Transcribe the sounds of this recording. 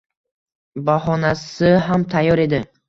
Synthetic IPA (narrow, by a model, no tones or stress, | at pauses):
baɦɔnasɪɦamt̪ʰajɔɾe̞d̪ɪ